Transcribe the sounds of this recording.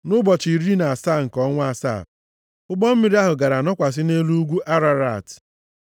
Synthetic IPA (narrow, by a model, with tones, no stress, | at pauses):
nʊ˦bɔ˨t͡ʃi˨ɾi˦na˨a˨saː˦˨ŋ̩˨kɔ˦ŋʷ˦a˦sa̰˦˨ | ʊ˦ɡ͡bɔ˦m̩˦mi˦˨ɾi˦a˦ɦʊ˨ɡa˨ɾa˨nɔ˦kʷa˨s̬ɪ˦ne˦lu˦ɡʷu˦ʔa˦ɾa˦ɾa˦˨t